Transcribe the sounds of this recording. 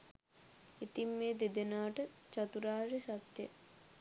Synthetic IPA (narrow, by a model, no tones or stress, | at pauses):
it̪imːeːd̪ed̪enaːʈət͡ʃat̪uɾaːresat̪jə̰